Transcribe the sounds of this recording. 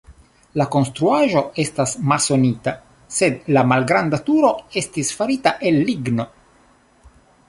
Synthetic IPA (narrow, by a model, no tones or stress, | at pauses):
lako̞nst̪ɾuaʒo̞e̞stasmalso̞nit̪a | se̞d̪lamalɡɾand̪at̪uɾo̞e̞stisfaɾit̪aʔe̞lːiɡno̞